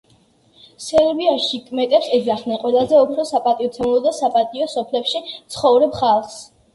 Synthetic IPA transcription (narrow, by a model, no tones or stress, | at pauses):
sɛɾbiaʃikʼmɛt̪ʼɛpsɛzaχnɛnqʼwɛlˠazɛupʰɾɔsapʼat̪ʼiɔt̪sʰɛnlˠɔd̪asapʼat̪ʼiɔsɔpʰlɛpʃit̪sʰχɔvɾɛbχalˠs